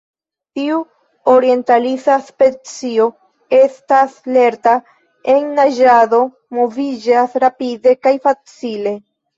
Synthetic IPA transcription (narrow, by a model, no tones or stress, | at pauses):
tiu | oɾie̞ntalit͡saspe̞t͡sio̞ | e̞stasle̞ɾta | e̞nːad͡ʒado̞ | mo̞vid͡ʒasɾapide̞kajfat͡sile̞